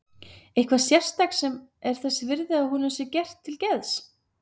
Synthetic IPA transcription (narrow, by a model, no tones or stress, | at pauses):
ejhkʰvḁsjɛr̥st̪aksɛmɛɾ̥θɛsːɪvɪɾðɪaðhunʏmsɪcɛr̥t̪ʰːɪlcɛðs